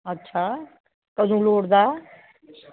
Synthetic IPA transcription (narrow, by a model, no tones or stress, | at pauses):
ətːʃʰaː | kəd̪ʱũloːɽd̪aː